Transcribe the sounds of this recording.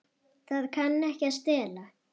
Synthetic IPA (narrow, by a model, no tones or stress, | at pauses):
θaðkʰanːɛhcɪast̪ɛːla